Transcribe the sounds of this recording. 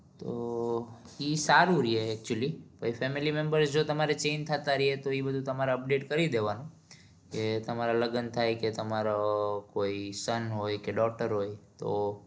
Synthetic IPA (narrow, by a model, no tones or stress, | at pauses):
t̪o | isaɾuɾieːk̚t͡ʃuəlibʱaifɛmilimembəɾsd͡ʒot̪əmaɾet͡ʃent̪ʰət̪aɾiɦet̪oibəd̪ʱũt̪əmaɾaəp̚ɖeʈkəɾid̪eʋanũ | ket̪əmaɾaləɡənt̪ʰajket̪əmaɾokoisənɦojkeɖɔk̚ʈəɾɦojt̪o